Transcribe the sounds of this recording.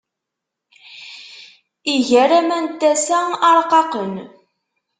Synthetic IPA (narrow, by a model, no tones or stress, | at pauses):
iʝæɾæmænt̪ːæsæɑɾˤqɑqən